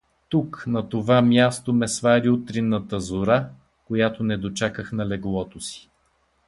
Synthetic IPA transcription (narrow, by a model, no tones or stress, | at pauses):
t̪uknɐt̪ovamʲjast̪omɛsvaɾiut̪ɾinːət̪əzoɾa | kojat̪onɛd̪ot͡ʃakəxnɐlɛɡlˠɔt̪osi̥